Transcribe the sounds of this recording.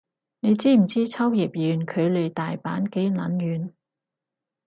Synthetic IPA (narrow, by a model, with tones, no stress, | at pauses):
ne˨˧jt͡siː˥m̩˨˩t͡siː˥t͡sʰɐ˥wji˨˩p̚jyː˨˧nkʰɵ˨˧ɥle˨˧jt̪aː˨jpa̰ː˨˥nke˨˥jlɐ˨˥njyː˨˧n